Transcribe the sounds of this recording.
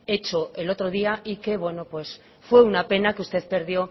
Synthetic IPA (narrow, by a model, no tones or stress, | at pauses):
e̞t͡ʃo̞elo̞t̪ɾo̞ðiaʔike̞βwe̞no̞pwe̞s | fwe̞unape̞nakeust̪e̞ðpe̞ɾðjo̞